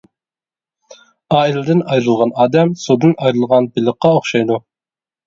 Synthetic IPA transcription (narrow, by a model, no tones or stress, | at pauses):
ɑːilɪd̪ɪnɑjɾɨlˠʁɑnɑːd̪ɛmsud̪ɨnɑjɾɨlˠʁɑnbɪlˠəqːɑoχʃɑjd̪u